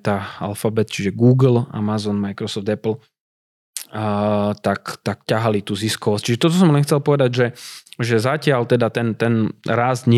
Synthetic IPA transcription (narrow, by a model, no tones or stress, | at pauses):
t̪aːa̰lfabɛt̪t͡ʃiʒɛɡuːɡl̩a̰mazɔnmajkɾɔsɔfd̪ɛpl̩ | t̪akt̪akcaɦalit̪uːziskɔʋɔsc̚t͡ʃiʒɛt̪ɔt̪ɔs̬ɔmlɛnxt͡sɛlpɔʋɛd̪aɟʒɛʒɛzacɪalt̪ɛd̪at̪ɛnt̪ɛnɾazd̪ɲɪ